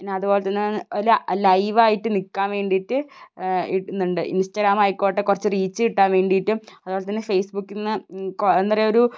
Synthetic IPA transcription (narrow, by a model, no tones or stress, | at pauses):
pinːeɐðubo̞ːlet̪ɐnːellɐjʋaːjiʈːɨnikːaːnʋe̞ːɳɖijitːɨ | inːuɳɖɨḭnsʈɐɡɾaːmɐjikːoːʈːekurɐt͡ɕːɨriːt͡ɕːɨiʈːaːnʋe̞ːɳɖijiʈːumɐðuboːlet̪ɐnːefejsbukːinːɨkend̪ɐrɐjoɾu